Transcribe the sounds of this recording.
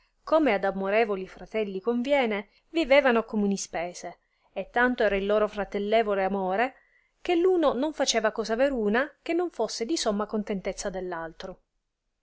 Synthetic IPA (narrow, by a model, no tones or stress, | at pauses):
koːmead̪amoɾɛːvolifɾat̪ɛlːikoɱvjɛːne | viveːvanokomunispɛːz̥e | et̪ːant̪oɛːɾailːoːɾofɾat̪elːɛːvoleamoːɾe | k̟elːuːnonoɱfat͡ʃeːvakɔːzaveɾuːnak̟enːoɱfosːed̪isomːakont̪ent̪et̪sːad̪elːalt̪ɾo